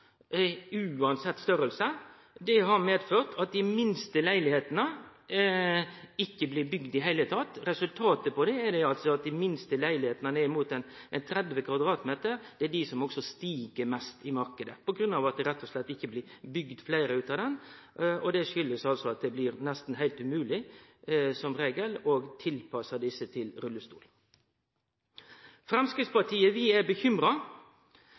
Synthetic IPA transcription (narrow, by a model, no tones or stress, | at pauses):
ʉːɑnsɛt̪ːst̪œɾəlsə | d̪ɛɦɑɾmeːd̪føːʁt̪ʰɑt̪̚d̪ɪmɪnst̪əlæɪlɪheːt̪ənə | ɪkːəblɪːɾbʏɡd̪ɪɦæɪlət̪ʰɑt̪ɾɛsʉlt̪ʰɑːt̪əpɔd̪ɛːd̪ɛɑlt̪sɔɑt̪̚d̪ɪmɪnst̪əlæɪlɪheːt̪ənənɛɪmuːt̪ɛnɛnt̪ʰɾɛd̪ʋəkʰʋɑd̪ɾɑːt̪meːt̪əɾd̪̥ɛæɖɪsɔmɔksɔst̪iːɡəɾmɛst̪ɪmɑɾkəd̪əpʰɔɡɾʉnːɑːʋɑt̪̚d̪ɛɾɛt̪ʰːɔslɛt̪ːɪçːəblɪːɾbʏɡd̪flæɪɾəʉːt̪ɑd̪ɛn | ɔd̪ɛʂʏlːəsɑlsɔɑt̪̚d̪ɛblɪɾnɛst̪n̩ɦæɪlt̪ʉmʉːlɪ | sɔmɾeːɡəlɔɡt̪ʰɪlpʰɑsəd̪ɪsːət̪ʰɪlɾʉlːəst̪uːl | fɾɛmskɾɪt̪spɑʈʰiːəʋɪæbəçʏmɾɑ